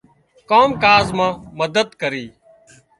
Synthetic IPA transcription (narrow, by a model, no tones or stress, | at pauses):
koːmkaːzmãːməd̪əd̪kəɾiː